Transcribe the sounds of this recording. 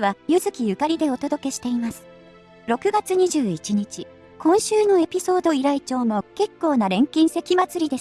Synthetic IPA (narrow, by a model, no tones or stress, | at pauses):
βajɯ̟zɨkʲijɯ̟kaɾʲid̪e̞o̞t̪o̞d̪o̞ke̞ɕi̥t̪e̞imasɨ̥ | ɾo̞kɯ̟ɡat͡sɨɲ̟iʑɨːit͡ɕiɲ̟it͡ɕi | kʰõɰ̃ɕɨːno̞e̞pʲiso̞ːd̪o̞iɾait͡ɕo̞ːmo̞ke̞kːo̞ːnaɾẽ̞ŋkʲĩɰ̃se̞kʲimat͡sɨɾʲid̪e̞s